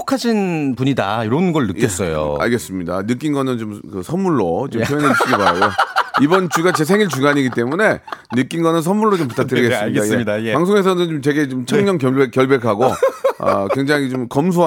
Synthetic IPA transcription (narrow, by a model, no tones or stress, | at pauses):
okʰad͡ʑʰinpuɲida̰iɾʌnɡʌɭnɯes͈ʌjo̰a̰ɭɡe̞s͈ɯmɲida̰nɯk̬͈inɡʌnɯnt͡ɕomkɯsʰʌnmuɭːot͡ɕomʰejʌnɦet͡ɕʰiɡibaɾa̰joibʌnt͡ɕuɡat͡ɕe̞s̬ʰeŋiɭt͡ɕuɡaɲiɡit͈e̞mune̞nɯk͈inɡʌnɯns̬ʰʌnmːuɭːot͡ɕomp̬utʰak̚tɯɾiɡe̞s͈mɲiadapaŋsʰoŋe̞s̬ʰʌnɯnt͡ɕomt͡ɕe̞ɡe̞t͡ɕomt͡ɕʰaŋɲʌŋkjʌɭbek͈jʌɭbe̞kʰaɡoʌ̰kwe̞ŋd͡ʑaŋit͡ɕomkʌms̬ʰo